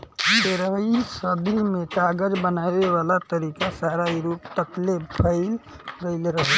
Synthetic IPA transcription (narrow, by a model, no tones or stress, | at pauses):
beɾəisəbʱimetaɡəd͡ʒbənabeβalat̪əɾikasaɾaiɾupt̪əklepʰəɪl | ɡəɪlɾəɦ